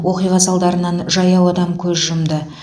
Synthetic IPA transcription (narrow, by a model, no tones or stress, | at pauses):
wo̞qijʁɑsɑlˠd̪ɑɾənɑnʒɑjɑwɑd̪ɑmkʲʰɵzʒʊmd̪ə